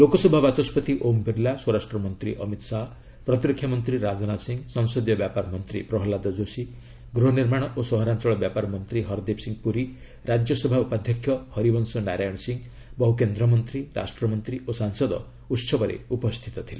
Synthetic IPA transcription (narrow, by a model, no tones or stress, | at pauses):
lokɔsɔbʱabat͡ʃɔspɔt̪iʔombiɾlaswɔɾasʈɾɔmɔnt̪ɾiʔʌ̰mit̪saɦɔ | pɾɔt̪iɾɔkʰjamɔnt̪ɾiɾad͡ʒɔnasiŋɡsɔŋsɔd̪jɔbjapaɾmɔnt̪ɾḭpɾɔɦlad̪ɔd͡ʒosi | ɡɾɔɦniɾmaɽ̃ɔʔosɔɦɔɾant͡ʃɔɭɔbjapaɾmɔnt̪ɾiɦɔɾd̪epsiŋɡpuɾi | ɾad͡ʒjɔsɔbʱaupad̪ʱjɔkʰːjɔhɔɾibɔnsɔnaɾajɔɽ̃siŋ | bɔɦukend̪ɾɔmɔnt̪ɾiɾa̰sʈɾɔmɔnt̪ɾiosaŋsɔd̪ɔ̰ | ut̪sɔbɔɾḛupɔst̪ʰi̥t̪ɔt̪ʰile